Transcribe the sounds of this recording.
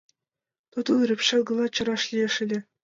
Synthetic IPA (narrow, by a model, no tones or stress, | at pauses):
t̪ut̪ɯlˠrʲɘ̆pʲɕɑlˠɡɤ̆lˠɑt͡ɕɤ̆ɾɑʂlʲiĕʂɘ̆lʲɘ̆